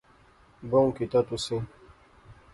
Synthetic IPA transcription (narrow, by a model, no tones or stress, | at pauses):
boũkit̪at̪usẽ